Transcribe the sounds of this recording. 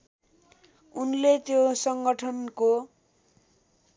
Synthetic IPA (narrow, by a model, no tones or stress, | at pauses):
unlet̪josʌŋɡʌʈʰʌnko